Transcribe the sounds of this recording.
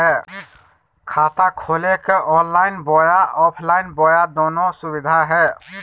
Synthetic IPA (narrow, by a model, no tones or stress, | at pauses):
ɛ | kʰat̪akʰolekeʔɔnlaɪnbɔjaʔɔpʰlaɪnbɔjad̪onosubid̪ʱaɦɛ